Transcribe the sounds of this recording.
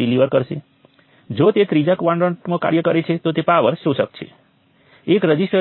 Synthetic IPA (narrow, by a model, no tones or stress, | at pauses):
iliʋəɾkəɾʃe | d͡ʒot̪et̪ɾid͡ʒakʋãɳɖəɳʈnõka̰ɾjəkəɾet͡ʃʰet̪ot̪epaʋəɾʃũʃək̚t͡ʃʰḛ | ekɾəd͡ʒisʈə